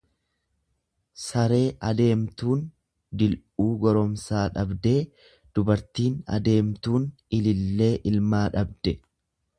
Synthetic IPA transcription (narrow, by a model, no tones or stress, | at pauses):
sɐɾe̞ːʔɐd̪e̞ːmt̪uːn | d̪ɪlʔuːɡɔɾɔmsaːᶑɐbd̪e̞ː | d̪̥ʊbɐɾt̪iːnɐ̰d̪e̞ːmt̪uːn | ɪlɪlːe̞ːʔɪlmaːᶑɐb̚d̪ɛ